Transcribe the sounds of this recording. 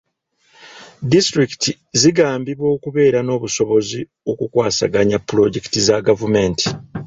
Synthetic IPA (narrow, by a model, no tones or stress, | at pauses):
distɾiki̥tʰi | ziɡaːmbiβo̞ːkuβe̞ːɾano̞ːβuso̞βo̞zi | o̞kukwaːsa̰ɡaɲapːɾo̞ɟe̞ki̥tizaɡavume̞ntʰi̥